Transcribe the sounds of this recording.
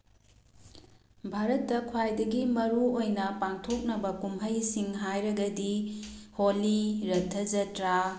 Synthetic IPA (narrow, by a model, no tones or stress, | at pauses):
bʱaɾɐtːɐkʰwajdɐɡimɐɾuojnɐpaŋtʰok̚nɐbɐkumɦɐjsiŋɦajɾɐɡɐdiholiɾɐtʰːɐzɐtɾa